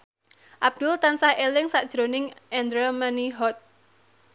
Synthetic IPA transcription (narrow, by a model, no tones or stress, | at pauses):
ʔab̚d̥ʊlt̪ansahelɪŋsaʔd̥ʒ̥ɾonɪŋʔɛnd̪ɾəmaniɦɔt̪̚